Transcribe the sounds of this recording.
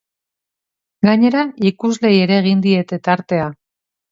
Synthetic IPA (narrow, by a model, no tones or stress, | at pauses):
ɡaɲe̞ɾaikuzle̞je̞ɾe̞ːɣ̞ind̪ie̞t̪e̞t̪aɾt̪e̞a